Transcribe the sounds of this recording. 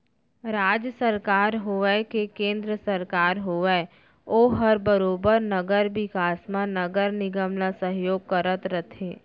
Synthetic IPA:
ɾaːd͡ʒjəsəɾkaːɾɦoʋɛkekẽːnd̪ɾəsəɾkaːɾɦoːʋɛ | oːɦəɾbəɾoːbəɾnəɡəɾʋɪkaːsmãnəɡəɾnɪɡəmlasə̃ɦjoːɡ̚kəɾət̪ɾət̪ʰẽː

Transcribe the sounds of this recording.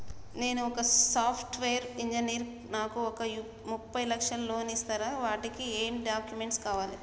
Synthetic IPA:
ne̞ːnuɔkɐsaːpʰʈʋeːɐɾiɲd͡ʒɐniːɾ | naːkuɔkɐ | mupːɐjlɐkʂɐnlo̞ːnist̪aːɾaːʋaːʈikieːmɖaːkjumeɳʈskaːʋaːli

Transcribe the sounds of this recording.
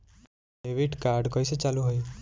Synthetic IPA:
eʋiʈkaɾɖkɔjset͡ʃaluɦoj

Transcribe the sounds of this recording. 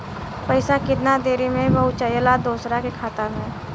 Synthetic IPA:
pəɪsakɪt̪nad̪eːɾimẽbəɦʊt͡ʃəjəlad̪oːsɾakekʰaːt̪amẽː

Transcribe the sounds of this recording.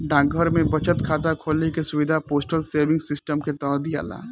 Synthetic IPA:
ɖãːɡʱəɾmẽbɐt͡ʃət̪kʰaːt̪akʰoːlnekesʊʋɪd̪ʱapoːsʈəlseːɾʋɪ̃ŋɡsɪsʈəmket̪ɔːɾd̪ija̰ːla̰ː

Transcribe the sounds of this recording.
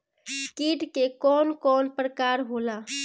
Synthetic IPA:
kiːɖkekɔːnkɔːnpɾəkaːɾɦoːlaː

